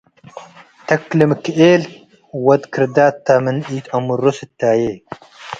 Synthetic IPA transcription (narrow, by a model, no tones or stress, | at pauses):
t̪ɐkːlimkieːl | wɐd̪kʰɾd̪aːt̪ːaːmɐniːt̪ɐmuɾoset̪ʲːaːjeː